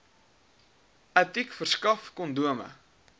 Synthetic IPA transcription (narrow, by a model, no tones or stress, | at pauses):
ɐtikfərskɐfkɔnduəmə̰